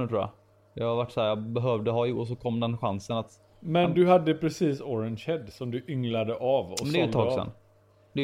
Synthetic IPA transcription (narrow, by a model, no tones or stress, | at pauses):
t̪ʰɾuːjɑ̰ | d̪ɑhaɾvaʈːshæːɾjɑbɛɦœvd̪əɦɑjʊɡɔs̬ɔkʰɔmːd̪ɛnɧansənat̪ | mɛnd̪ɵhad̪ːəpʰɾɛsiːsɔɾɛnʃɛd̪sɔmd̪ɵʔʏŋlad̪əʔavɔɔmɛnd̪ɛt̪ʰːɑːsɛ̰n | d̪ɛ